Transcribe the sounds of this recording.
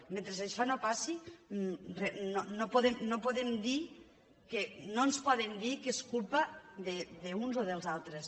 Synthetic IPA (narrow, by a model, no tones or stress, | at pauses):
mẽnt̪ɾezaʃɔnopasi | renonopoðemnopoðemd̪i | kənonspɔðend̪ikeskulˠpɐðeðəunzoðəlˠzalˠt̪ɾes